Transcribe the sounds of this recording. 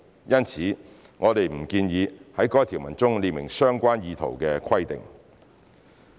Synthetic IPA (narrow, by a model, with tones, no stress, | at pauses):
jɐ˥nt͡sʰiː˨˥ | ŋɔː˨˧t̪e˨jm̩˨˩kiː˧njiː˨˧hɐ˨˥jkɔː˥jt̪ʰiː˨˩wmɐ˨˩nt͡sʊ˥ŋliː˧mɪ̰˨˩ŋsœː˥ŋkʷaː˥njiː˨˧t̪ʰo̰˨˩wkɛː˧kʰɐ˥jt̪ɪ̰˨ŋ